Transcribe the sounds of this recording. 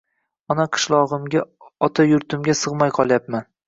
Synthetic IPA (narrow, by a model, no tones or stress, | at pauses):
ɒnaqʰɨ̥ʃlˠɒʁɨmɡʲaɒt̪ʰajʊɾt̪ʰɪmɡʲasɨʁmajqʰɒlˠjapman